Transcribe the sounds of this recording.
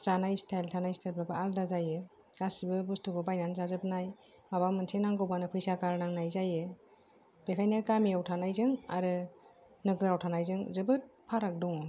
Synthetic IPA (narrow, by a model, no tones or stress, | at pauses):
z̥anajstʰajltʰanajstʰalpɾabɯaldazajɯ | ɡ̥asibɯbustʰuɡɯbajnanzazɯpnaj | mabamɯnsʰenaŋɡɯwbanɯpʰɯjsakaɾnaŋnajzajɯ | b̥ekʰajnɯkamiawtʰanajzɯŋa̰ɾɯ | nɯɡɯɾawtʰanajzɯŋzɯbɯɾ̚pʰaɾak̚dɔŋɔ